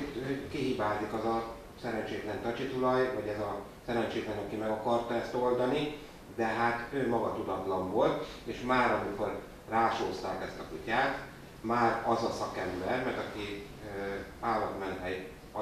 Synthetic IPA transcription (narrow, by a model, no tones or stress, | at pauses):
øːkiɦiːbaːzikɒzɒ | sɛɾɛnt͡ʃeːt̪lɛnt̪ɒt͡ʃit̪ulɒjvɒɟɛzɒ | sɛɾɛnt͡ʃeːk̪lɛnɒkimɛɡɒkɒrt̪ɒɛst̪o̞ld̪ɒni | d̪ɛɦaːt̪øːmɒɡɒt̪ud̪ɒt̪lɒɱvolt̪eːʃmaːɾɒmiko̞r | raːʃoːst̪aːkɛst̪ɒkucaːt̪ | maːɾɒzɒsɒkɛmbɛrmɛrt̪ɒki | aːlːɒt̪mɛnt̪ɛj | ɒ